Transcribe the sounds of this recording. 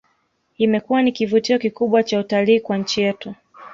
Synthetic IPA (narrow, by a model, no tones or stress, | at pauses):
imɛkuwanikivutiɔkikuɓwat͡ʃautaliːkwaɲ̩t͡ʃijɛtu